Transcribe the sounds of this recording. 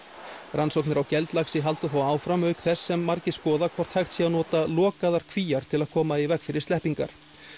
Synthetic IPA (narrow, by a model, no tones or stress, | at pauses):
ransɔwknɪɾawcɛlt̪laxsɪɦalt̪ʏθawaːwfɾamœɥkθɛsːɛmːaɾcɪskɔːðakʰvɔɾ̥t̪hajxt̪sianɔːt̪alɔːkaðaɾ̥kʰviːjaɾ̥t̪ʰɪlaðkʰɔːmaivɛkfɪɾɪɾ̥st̪ɛhpiŋka̰ɾ̥